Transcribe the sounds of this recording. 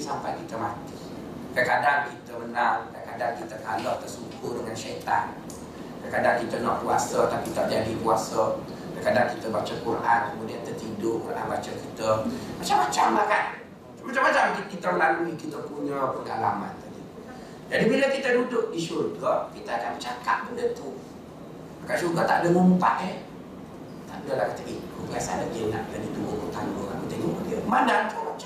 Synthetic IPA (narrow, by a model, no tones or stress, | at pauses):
sampa̰jkit̪əmat̪i | kəkadankit̪əbənaŋkəkadankit̪ək̪alɔʔ̚t̪ərsukʊdəŋanʃet̪a̰n | kəkadankit̪ənɔʔkuasət̪apit̪aʔd͡ʒadipuasə | kəkadankit̪əbat͡ʃəkurʔankəmudiant̪ət̪idʊʔkurʔa̰nbat͡ʃəkit̪əmat͡ʃamːat͡ʃamlakan | mat͡ʃamːat͡ʃamkikit̪əməlaluikit̪əkuɲəpəŋɡalama̰nt̪adḭ | d͡ʒadibiləkit̪ədudʊk̚diʃut̚ɡɔʔkit̪əakanmət͡ʃaka̰ʔ̚bəndət̪u | makansuɡat̪a̰ʔdəŋumpa̰ʔe | t̪a̰ʔdudəlahki̥t̪əʔikubəasa̰lad͡ʒəna̰ʔt̪adit̪uokut̪aŋɡokamot̪eŋɔʔmodiəmandaŋt̪umat͡ʃ